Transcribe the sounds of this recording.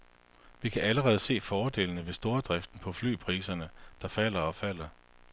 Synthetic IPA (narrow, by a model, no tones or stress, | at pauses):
ʋikʰæʔæləʁɛːð̞̩ˠse̝̰ːfɒːd̥e̝̰ːlnəʋe̝sd̥o̝ːɐd̥ʁɛfd̥n̩pʰɒ̽fly̰ːpʰʁḭːsɐnəd̥ɑ̈fæl̰ɐɒ̽fæl̰ɐ